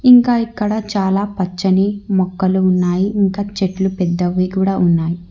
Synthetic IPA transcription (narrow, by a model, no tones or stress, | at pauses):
iŋkaːikːɐɽɐt͡ʃaːlaːpɐt͡ʃːɐnimɔkːɐluːnːaːjiiŋkaːt͡ʃeʈlupɛd̪ːɐʋːikuːɽaːunːaːji